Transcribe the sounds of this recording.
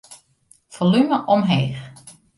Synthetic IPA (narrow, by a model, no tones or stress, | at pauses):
folyməʔɔmɦeːx